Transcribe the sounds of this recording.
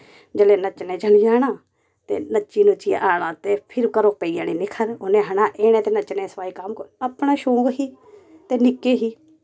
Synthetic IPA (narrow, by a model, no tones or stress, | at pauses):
d͡ʒəleːnət͡ʃnẽːd͡ʒəlid͡ʒaːñaː | t̪ḛːnət͡ʃːiːnũːt͡ʃɪja̰ːʔaːɽãːt̪eːpʰɪɾkəɾoːpeiːjaːniːnɪ̃ːkʰəɾonẽːɦəɳãːʔeːñẽːt̪eːnət͡ʃnẽːsə̥paːikamkoəpɳaːʃõːŋɡɦiː | t̪eːnɪkːeːɦiː